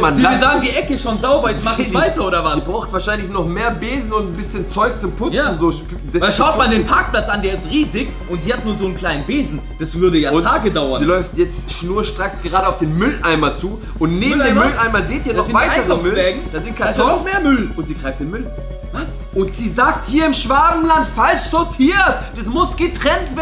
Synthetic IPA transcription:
manaːɐzaːɡŋ̩diːʔɛkəɪsʃoːnzaʊbɐjɛt͡smaχɪvaɪtɐʔoːdɐvasibʁaʊxtv̥aːɐʃaɪnlɪçnɔχmeːɐbeːzn̩ʊntn̩bɪsçənt͡sɔʏk̚t͡sʊmpʰʊjaːn̩zoː | d̥ɛvaʃaʊtmandeːnpʰaɐk̚pl̥at͡sʔandeːɐɪstʁiːzɪç | ʔʊntz̥iːhatnuːɐzoːnkʰl̥aɪnnbeːzn̩d̥asv̥ʏɐdəjaːʊntʰaːɡədaʊɐnziːlɔʏftjɛt͡stʃnuːɐʃtʁ̥asɡ̥əʁaːɾəaʊfd̥eːnmʏlʔaɪmɐt͡suː | ʔʊntneːm̩demmlʔaɪmɐzeːtiːɐnɔχvaɪaɪəʁmʏlvɛːɡŋ̩d̥aːzɪntkʰasnɔχmeːɐmʏlʔʊntz̥iːɡʁaɪftd̥eːnmʏl | vas | ʔʊntz̥iːzaːk̚thiːɐɪmʃv̥aːbm̩lantfalʃz̥ɔɐtʰiːɐtd̥asmʊsɡ̥ətʁ̥ɛntv̥eːn

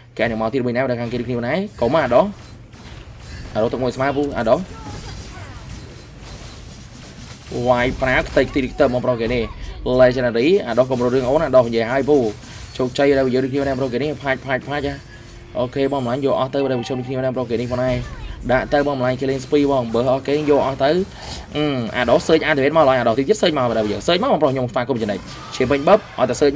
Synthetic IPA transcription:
keʔanimaɔiːt̪̚ɓəɲnaːɗakʰaːŋkeːɾɨəkʰniəpʰɔnʔaɛkoːmaʔaːɗoh | ʔaːɗoht̪ɨk̚muəjsmaəpuʔa̰ːɗoh | ʋaːjpraːkʰt̪əckʰt̪iɾik̚ʰt̪ɨmɔːprokeːnelɛːt͡ɕanaɾiːʔaːɗohkomronrɾɨəŋʔoːnʔaɗohʔiɲjəəɦaəjpuː | t͡ɕoːk̚t͡ɕəjəɗaːjəjəːɾɨəkʰniənaəpəroːhk̬eːnihpʰaːc̚pʰaːc̚pʰaːc̚ʔa | ʔoːkeːɓɑməlaŋjɔːʔɑht̪əwpəɗɔːjpiət͡ɕʰonɾɨəkʰniənaəmpɾohkeːnihpʰɔənɗaɛɗaʔt̪əwɓɑnməlajɲkeːleːŋspiːɓɑːŋɓəːhʔɑhkeːjɔːʔɑht̪əw | ʔɨːʔa̰ːɗohsəːc̚ʔaːt̪eʋeət̪maələʔajʔaːɗoht̪it̪iət̚səːc̚maəpəɗajəːsəːc̚maːwmɑːprohɲomsʰfaːkumt͡ɕənəc̚ | t͡ɕʰiəmpɨɲɓəp̚ʔɑɔ̰jt̪asəːc̚m

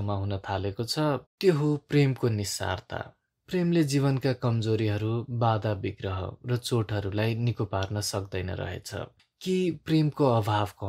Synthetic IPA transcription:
maɦunʌt̪ʰalekot͡sʰʌt̪joɦopremkonisa̰rt̪ʰa̰ | premled͡ziβʌnkakʌmd͡zoɾiɦʌɾubad̪abiɡrʌɦʌ̰rʌt͡soʈɦʌɾulajnikoparnʌsʌkd̪ʌjnʌ̰ɾʌ̰ɦḛt͡sʰʌ̰ | kipremkoʌbʱabkʌ

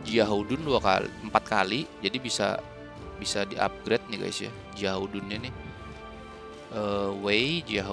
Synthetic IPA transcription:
d͡ʒiaɦaudʊnduwaka̰lḭəmpat̪̚kalid͡ʒadibisa̰ | bisadiʔa̰p̚ɡɾet̪̚nɪɡa̰jḭsja̰ | d͡ʒiaɦoudʊnɲanɪ | əwed͡ʒiaɦ

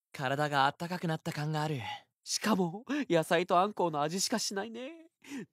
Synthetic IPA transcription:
kʰaɾad̪aɡaːt̪ːakakɯ̟nat̪ːakãŋɡaːɾɯ̟ | ɕi̥kamo̞jasait̪o̞ãŋko̞ːno̞aʑiɕi̥kaɕinaine̞

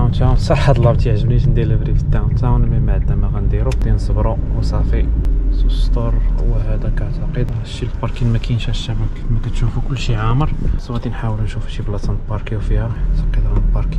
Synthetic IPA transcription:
t̪awnt̪awnsˤɑħːæd̪əlːɑbt̪jəʕʒəbliʒnd̪iləbɾifə̥t̪ːawnt̪awnmimaʕd̪næmæɣænd̪iɾuk̚d̪insˤəbɾˤuwɑsˤɑfisust̪ˤɑɾˤwhæd̪ækæʕt̪aqəd̪ʃilpɑɾˤkinmækæjnʃæʃːæmækmækæt̪ʃufukʊlːʃiʕaməɾˤswæt̪inħawəlunʃufuʃiblɑsɑ̃nt̪bɑɾˤkiwfihæɾˤħt̪ɑqːid̪ɾɑnəlpɑɾˤki

